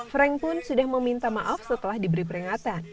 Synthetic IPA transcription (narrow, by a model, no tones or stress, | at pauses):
fɾɛŋpʊnsudahməmint̪amaʔafsət̪əlahdibəɾipəɾiŋat̪an